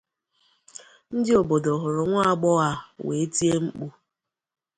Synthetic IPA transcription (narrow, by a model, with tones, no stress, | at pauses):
n̩˦dɪ˦o˨bo˨do˨ɦʊ˨ɾʊ˨ŋʷa˦a˨ɡ͡bɔ˦a˦wḛ˨e˦ti˦e˦ŋ͡m̩˦k͡pu˦